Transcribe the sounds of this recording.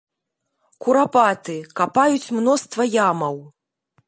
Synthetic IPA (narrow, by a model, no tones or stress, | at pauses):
kuɾapat̪ɨkapajut͡sʲmnɔst̪vɐjamɐw